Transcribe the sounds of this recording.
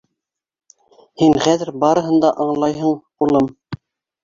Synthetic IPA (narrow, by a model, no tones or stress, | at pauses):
hiŋχæðɘ̆ɾbɑɾɤ̆ɦɤ̆nd̪ɑʔɑɴlˠɑjɦɤɴqulˠɤm